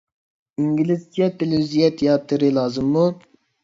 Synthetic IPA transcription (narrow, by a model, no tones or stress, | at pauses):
iŋɡʲilɪz̥kijɛt̪ʰelwizijɛt̪ʰejɑːt̪ʰːɨɾɨlˠɑːzɨmːu